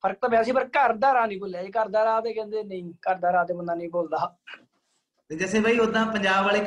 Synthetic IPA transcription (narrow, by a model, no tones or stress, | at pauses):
pʰəɾək̚t̪ãːbɛːsĩːpəɾkəɾd̪aːɾaːnə̃ĩːboːlejaːeːkəɾd̪aːɾaːt̪eːkɛ̃ːnd̪eːnə̃ĩːkəɾd̪aːɾaːt̪eːbənd̪aːnəĩːboːld̪aː | t̪eːd͡ʒəsẽːbəiːʊd̪ãːpəɲd͡ʒaːbʋaːleː